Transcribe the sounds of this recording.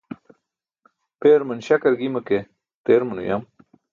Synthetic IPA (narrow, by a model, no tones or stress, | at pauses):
peːɾmɐnɕɐkɐɾɡimɐke | t̪eːɾmɐnṵja̰m